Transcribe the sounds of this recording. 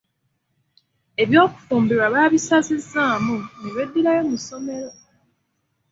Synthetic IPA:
e̞βjo̞ːku̥fuːmbiɾwaβaːβisazizːaːmuniwe̞dːiɾajo̞muso̞me̞ɾo̞

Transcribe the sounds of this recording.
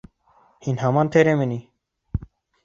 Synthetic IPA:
hiːnɦaːmaːnt̪ʰeːɾẽːmeniː

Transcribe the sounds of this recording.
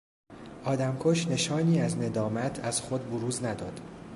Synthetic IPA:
ʔɒːd̪æmkʰoʃne̞ʃɒːniːæzne̞d̪ɒːmæt̪ʰæz̥xod̪̚boɾuːznæd̪ɒːd̪̥

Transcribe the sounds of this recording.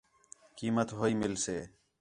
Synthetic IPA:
kiːmət̪ɦoːiːmɪlseː

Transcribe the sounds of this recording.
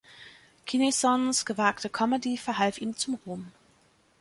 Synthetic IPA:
kʰinesɔnsɡ̥əvaːktəkʰɔmədifɛɐɦalfiːmt͡sʊmʁoːm

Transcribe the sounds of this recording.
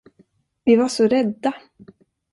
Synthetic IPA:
vɪvaʂɔɾɛd̪ːa

